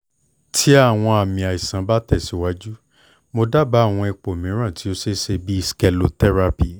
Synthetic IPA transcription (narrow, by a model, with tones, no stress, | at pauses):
tʰi˦a˦˨w̃ɔ̃˧a˨mĩ˨a˨i˨sã˨˦ba˦tɛ˦˨si˨˦wa˦d͡ʒu˦ | mo˧da˦ba˨˦˨w̃ɔ̃˧i˧k͡po˨mĩ˨˦ɾ̃ã˦˨ti˨˦o˦se˦se˧bi˦i˦ske˧lo˨tɛ˦ɾa˧pi˨